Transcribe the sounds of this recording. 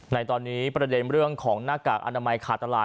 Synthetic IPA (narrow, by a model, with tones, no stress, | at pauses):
na˧jt̪ɔː˧nːiː˦˥pɾa˧de˧nɾɯ˥˩əŋkʰɔː˩˦ŋnaː˥˩kaː˨˩k̚ʔa̰˧naː˧ma˧jkʰaː˨˩t̪ːa˧laː˨˩